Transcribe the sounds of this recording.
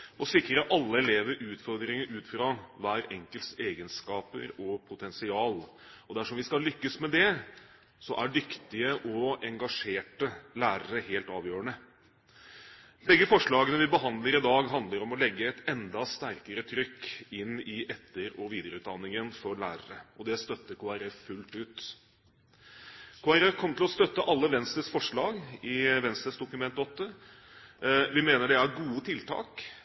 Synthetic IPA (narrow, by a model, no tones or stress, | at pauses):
ɔsɪkːɾɑɑlːəɛleːʋəɾʔʉːt̪fɔɾd̪ɾɪŋəʔʉːt̪fɾɑʋæːɾɛŋkəlt̪seːɡənskɑːpə̰ɾɔpʰʊt̪ʰɛnsɪɑːl | ɔd̪æʂɔmʋɪskɑlʏkːəsmɛd̪ɛ | sɔʔæɖʏkt̪ɪəʔɔɛŋɡɑʂeːʈəlæːɾəɾəheːlt̪ɑːʋjøːɾəɳə | bɛɡːəfɔʂɭɑːɡənəʋɪbəɦɑnd̪ləɾɪd̪ɑːɡɦɑnd̪ləɾɔmɔlɛɡːəɛt̪ɛnd̪ɑst̪æɾkəɾət̪ʰɾʏkːɪnɪʔɛt̪ʰːəɾɔʋiːd̪əɾəʉːt̪̚d̪ɑnːɪŋənfɔɾɭæ̰ːɾəɾəɔd̪ɛst̪œt̪ːəkʰoːɑɾɛffʉlt̪ʉːt̪ | kʰoːæɾɛfkʰɔmət̪ɪlɔst̪œt̪ːəʔɑlːəʋɛnst̪ɾəsfɔʂɭɑːɡɪʋɛnst̪ɾəsd̪ʊkʉmɛnt̪ɔt̪ːə | ʋɪmeːnəɖɛæɾɡuːət̪ʰɪlt̪ʰɑ̰ːk